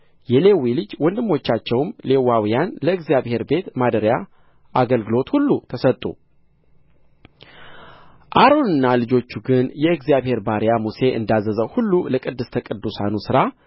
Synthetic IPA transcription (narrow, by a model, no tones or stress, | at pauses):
jɛle̞wilɨd͡ʒwɔnd̪ɨmːo̞t͡ʃːat͡ʃːɛwmle̞wːawijanləɨɡzijaβhe̞ɾbe̞t̪mad̪əɾja | ʔaɡəlɡɨlo̞t̪hulːut̪ʰəsət̪ʼṵ | ʔaɾo̞nɨnːalɨd͡ʒo̞t͡ʃːuɡɨnjɛɨɡzijaβhe̞ɾbaɾjamuse̞ʔɨ̰nd̪azːəzəwhulːuləkʼɨd̪ːɨst̪ʰəkʼɨd̪ːusanusɨɾa